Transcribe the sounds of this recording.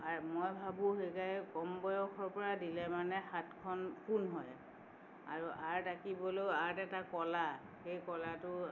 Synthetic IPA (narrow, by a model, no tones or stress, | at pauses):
amojbʱabũɦekajkɔmbɔjɔkʰɔɹpɔɹadilɛmanɛxatkʰɔnpunɦɔj | a̰ɹuʔaɹtakibɔlojaɹtɛtakɔla | xejkɔlatʊ